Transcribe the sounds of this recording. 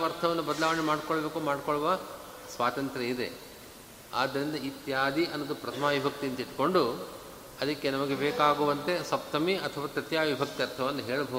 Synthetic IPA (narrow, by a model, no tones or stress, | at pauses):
ɐɾt̪ʰɐʋɐnːubɐd̪ɐlaːʋɐɳemaːɖkɔɭbeːkuːmaːɖkoɭɐʋɐ | sʋaːt̪ɐnt̪ɾeid̪e̞̰ | a̰ːd̪ːɐɾind̪ɐit̪jaːd̪iʔɐnːɐɡ̪upɾɐt̪ʰɐmaːʋibʱɐk̚t̪int̪iʈko̞ɳɖu | ɐd̪ɐkːenɐmɐɡebeːkaːɡuʋɐnt̪e̞sɐp̚t̪ɐmiɐt̪ʰɐʋaːkɾit̪jaːʋibʱɐk̚t̪iɐɾt̪ʰɐʋɐnːuɦe̞ːɭubʱɐ